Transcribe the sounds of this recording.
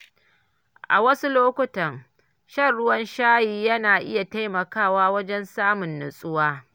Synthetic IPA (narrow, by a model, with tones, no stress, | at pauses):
ʔa̰˨wɐ˦su˦loː˦kʷʊ˦tɐ˨ŋ | ʃɐ˦˨rɽʊ˦wɐ˦nʃaː˦jiː˦jɐ˦naː˨ʔɪ̰˦ja˨ta˦jmɐ˨kaː˦˨waː˦wɐ˦d͡ʒɛ˦nsaː˦mʊ˨nːʊ˨sʼʊ˦waː˦